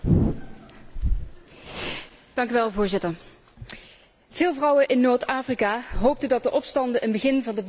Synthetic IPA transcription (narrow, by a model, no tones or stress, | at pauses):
d̥ɑŋkyʋɛlˠvʊːɹzɪtəɹ | v̥ɪːlˠvrʌwəʔɪnːoːɹtaːfrikaːɦowp̚tədɑt̚dəʔɔpstɑndəʔənbəɣɪnvɑndə